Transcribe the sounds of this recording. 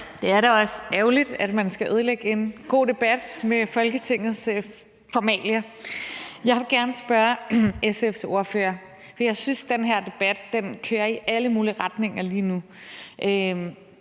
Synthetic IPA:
d̥e̝æɐɾɑɒ̽sæʊlid̥æd̥mænsɡ̥æʔøð̞ˠleɡ̥əe̝nɡ̥o̝̰ːd̥e̝b̥æd̥mefɒ̽lɡ̥ət͡sʰe̝ŋ̰ð̞̩ˠs | fɒmɛ̰ːljɐ | jɑ̈ɪʋe̝ɡ̥æɐnəsb̥ɶɐesefso̝ɐfø̰ːɐ | fɒ̥ijɑ̈ɪsynsd̥enɦeɐ̰d̥e̝b̥æd̥ːenkʰøːɐiʔæləmuːliʁɑ̈d̥ne̝ŋ̰ɐliːnu | ʔøm

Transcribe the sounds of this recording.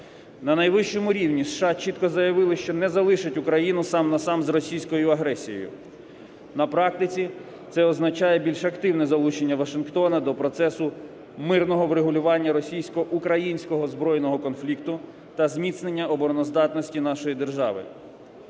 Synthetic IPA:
nɐnɐjʋɪʃt͡ʃɔmʊɾʲiwnʲisʃɑt͡ʃit̪kɔzɐjɐʋɪlˠɪʃt͡ʃɔnɛzɐlˠɪʃɪtʲʊkɾɐjinʊsɑmnɐsɑmzrɔsʲijsʲkɔjʊɐɦɾɛsʲijɔ̰jʊ̰ | nɐpɾɑk̚t̪ɪt͡sʲi | t̪sɛɔznɐt͡ʃɑjɛbʲilʲʃɐkt̪ɪwnɛzɐlˠut͡ʃenʲːɐʋɐʃɪnkt̪ɔnɐd̪ɔpɾɔt̪sɛsʊ | mɪrnɔɦɔʋɾeɦʊlʲʊʋɑnʲːɐɾɔsʲijsʲkɔʔukɾɐjinʲsʲkɔɦɔzbɾɔjnɔɦɔkɔnflʲikt̪ʊ | t̪ɐzmʲit̪snenʲːɐɔbɔɾɔnɔzd̪ɑt̪nɔsʲtʲin̪ɑʃɔjid̪erʒɑʋɪ̰

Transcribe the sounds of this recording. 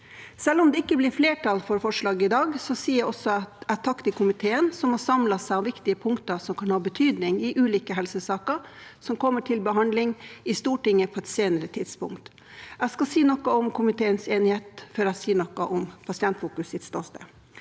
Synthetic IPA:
sɛlːɔmd̪ɛɪkːəblɪɾfleːʈʰɑlfɔɾfɔʂɭɑːɡəɪd̪ɑːɡsɔsiːæɔsɔæt̪ʰɑkt̪ɪkʰʊmɪt̪ʰeːənsɔmhɑɾsɑmlɑsæɪɑʋʋɪkt̪ɪəpʰʊŋkt̪əɾsɔmkʰɑnhɑːbət̪ʰyːd̪nɪŋɪʔʉːliːkəɦɛlsəsɑːkəɾsɔmkʰɔmːəʈʰɪlbəɦɑnd̪lɪŋɪst̪uːʈɪŋːəpʰɔɛt̪seːnəɾət̪ʰɪd̪spʊ̰ŋkt̪ | æskɑsiːnɔkːəɔmkʰʊmɪt̪ʰeːənseːnɪheːt̪føːɾæsiːnɔkːɑʔɔmpʰɑsɪɛnt̪fuːkʉsɪt̪st̪ɔst̪ə

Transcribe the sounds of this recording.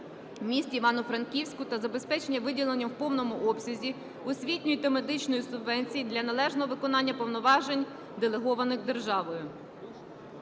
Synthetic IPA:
mʲisʲtʲiʋɑnʊfɾɐnkʲiwsʲkʊt̪ɐzɐbespɛt͡ʃenʲːɐʋɪdʲilˠenʲːɐwpɔwnɔmʊʔɔpsʲɐzʲi | ʊsʲʋʲitʲnʲʊjʊt̪ɐme̞d̪ɪt͡ʃnɔjisʊbʋɛnʲt͡sʲijid̪lʲɐnɐlˠɛʒnɔɦɔʋɪkɔnɑnʲːɐpɔwnɔʋɑʒenʲ | d̪elˠeɦɔʋɐnɪxd̪e̞rʒɑʋɔjʊ

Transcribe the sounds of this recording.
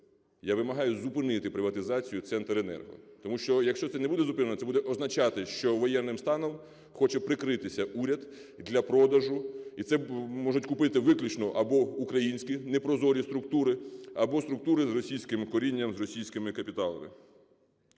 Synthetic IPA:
jaʋɪmɐɦɑjʊzʊpɪnɪt̪ɪpɾɪʋɐt̪ɪzɑt͡sʲijʊt̪sɛnt̪ɾenɛ̰rɦɔ̰t̪ɔmuʃt͡ʃɔjɐkʃt͡ʃɔt̪sɛnɛbud̪ɛzʊpɪnenɔt̪ɛbud̪ɛʔɔznɐt͡ʃɑt̪ɪʃt͡ʃɔʋɔjɛnːɪmst̪ɑnɔm | xɔt͡ʃɛpɾɪkɾɪt̪ɪsʲɐʔuɾʲɐd̪ | d̪lʲɐpɾɔd̪ɐʒʊit̪sɛmɔʒʊtʲkʊpɪt̪ɪʋɪklʲut͡ʃnɔʔɐbɔukɾɐjinʲsʲkʲinɛpɾɔzɔɾʲist̪ɾʊk̚t̪uɾɪɐbɔst̪ɾʊk̚t̪uɾɪzrɔsʲijsʲkɪmkɔɾʲinʲːɐmzrɔsʲijsʲkɪmɪkɐpʲit̪ɑlˠɐ̰mɪ̰

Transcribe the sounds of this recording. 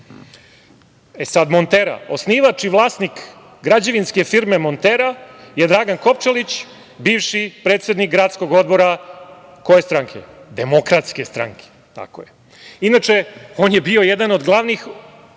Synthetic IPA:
esad̪mont̪eɾa̰osniːʋat͡ʃiʋlˠaːsnik | ɡɾad͡ʑaʋinske̞fiɾme̞mo̞nt̪eɾajed̪ɾaɡanko̞pt͡ʃelit͡ɕ | biːʋʃipɾet̪sed̪nikɡɾaːt̪sko̞ɡo̞d̪bo̞ɾa | ko̞jest̪ɾaŋkʰe̞̰d̪emo̞kɾat̪ske̞st̪ɾa̰ŋkʰe̥ | t̪a̰ko̰je | inat͡ʂeoːnjebio̞jed̪ano̞d̪ɡlˠaʋnix

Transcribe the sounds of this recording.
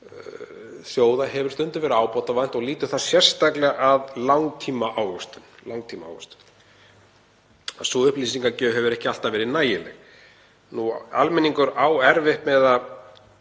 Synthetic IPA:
sjoːwðahɛvʏ̥ɾ̥t̪ʏnt̪ʏvɛːɾʏaːwpɔwt̪avan̥t̪ɔɣliːt̪ʏ̥θaðsjɛr̥st̪aklɛɣaʔaðlawŋt̪ʰiːmaʔaːwɣʏst̪ʏnlawŋt̪ʰiːmaa̰wɣʏst̪ʏ̥n | a̰sɔʏhpliːsiŋkacœːɦɛvʏɾɛhcɪal̥t̪avɛːɾɪnaːjɪlɛ̰ɣ | nua̰lmɛniŋkʏɾawɛɾvɪhpmɛða

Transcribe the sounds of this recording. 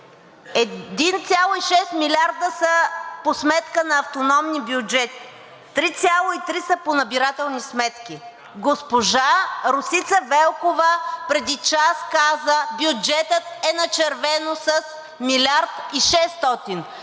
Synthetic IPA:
ɛd̪int̪sʲjalˠoiʃɛst̪milʲaɾd̪əsəposmɛt̪kənɐːft̪onɔmnibjud͡ʒɛt̪i̥ | t̪ɾit̪sʲjalˠoit̪ɾisəponɐbiɾat̪ɛlˠnismɛt̪kʲi | ɡospoʒaɾosit̪səvɛlˠkovəpɾɛd̪it͡ʃaskazəbʲjud͡ʒɛt̪ət̪ɛnɐt͡ʃɛɾvɛnosɐs | milʲaɾt̪iʃɛst̪ɔt̪in

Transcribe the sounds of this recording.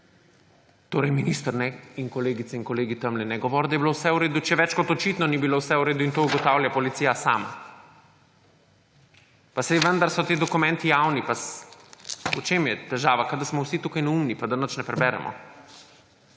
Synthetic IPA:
t̪oːɾɛjminist̪əɾnɛiŋkɔleːɡit̪ɛinkɔleːɡit̪əmlɛnɛɡɔʋɔɾd̪ajɛbilowsɛuɾeːd̪ut͡ʃɛʋɛt͡ʃkɔt̪ɔt͡ʃit̪nɔnibilowsɛuɾeːd̪uint̪ouɡɔt̪awljapɔlit̪sijasa̰ːma̰ | paseʋənd̪aɾsɔt̪eːd̪ɔkumɛ̃nt̪ijawnipas | ut͡ʃemjɛt̪ɛʒaːʋakad̪ɐɾsmɔwsit̪uːkajnɛumnipad̪anət͡ʃnɛpɾɛbɛɾɛ̰mʔɔ̰

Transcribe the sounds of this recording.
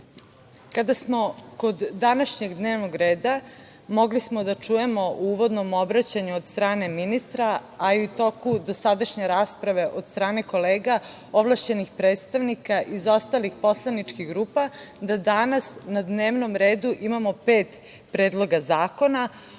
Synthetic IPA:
kad̪asmo̞ko̞d̪ːanaʃɲeɡd̪neːʋnoɡɾe̞ːd̪a | mo̞ɡlismo̞d̪at͡ʂuje̞mo̞ʔuʋo̞d̪no̞mo̞bɾat͡ɕaɲuod̪st̪ɾaːne̞minist̪ɾaːiut̪o̞kud̪o̞sad̪aʃɲeɾaːspɾaʋe̞ʔo̞d̪st̪ɾaːne̞ko̞leːɡa | o̞ʋlˠaʃt͡ɕe̞nixpɾeːt̪st̪aʋnikaʔizo̞st̪alixpo̞slˠanit͡ʂkiɣɡɾuːpad̪ad̪anasnad̪neːʋno̞mɾeːd̪uʔimamo̞peːt̪ | pɾeːd̪lˠo̞ɡazaːko̞na

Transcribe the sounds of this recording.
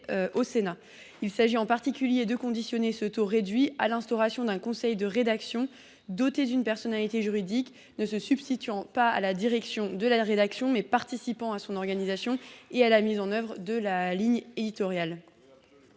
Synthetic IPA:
ʔosena | ilsaʒiɑ̃paʁt̪ikʲyljed̪əkɔ̃d̪isjɔnesət̪oʁed̪ɥia̰lɛ̃st̪ɔʁasjɔ̃d̪ɛ̃kɔ̃sɛjd̪əʁed̪aksjɔ̃ | d̪ot̪ed̪ynpɛʁsɔnalit̪eʒyʁid̪ik | nəsəsybst̪it̪ɥɑ̃paalad̪iʁɛksjɔ̃d̪əlaʁed̪aksjɔ̃mɛpaʁt̪isipɑ̃asɔ̃nɔʁɡanizasjɔ̃ealamizɑ̃nœvʁəd̪əlaliɲed̪it̪ɔʁjal

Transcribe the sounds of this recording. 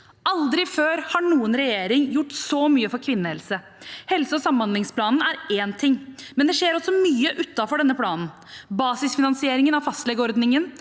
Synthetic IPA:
ʔɑld̪ɾɪføːɾhɑɳuːənɾɛjeːɾɪŋjʊʈːsɔmyːəfɔɾkʰʋɪnːəhɛlsə | hɛlsəɔsɑmɑnlɪŋspʰlɑːnn̩æɾeːnt̪ʰɪŋːmɛnd̪ɛʂeːɾɔsːɔmyːəʔʉt̪ːɑfɔɖɛnːəpʰlɑːnn̩ | bɑːsɪsfɪnɑnsɪeːɾɪŋənɑʋfɑst̪lɛɡɔɾd̪nɪŋən

